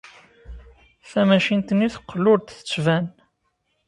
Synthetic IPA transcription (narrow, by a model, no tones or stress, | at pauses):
θæmæʃint̪ənːiθə̥qːlʊɾt̪θə̥t͡sːvæn